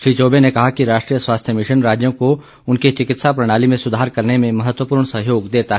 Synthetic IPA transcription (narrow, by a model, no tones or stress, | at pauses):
ʃɾiːt͡ʃoːbenekɐɦakiɾaːʃʈɾiːjəswaːst̪ʰjəmɪʃənɾaːd͡ʒjõko | ʊnket͡ʃɪkɪt̪sapɾɐɽ̃aːlimẽsʊd̪ʱaːɾkɐɾnemẽmɐɦət̪wəpuːɾɳ̃sɐɦjoːɡd̪eːt̪aɦɛ